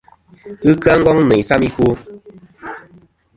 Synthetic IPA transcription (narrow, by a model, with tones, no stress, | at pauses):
ɨ˦kɰa˦ŋ̩˦ɡɔ˦ŋnɛ˨sa˦mi˦ku˦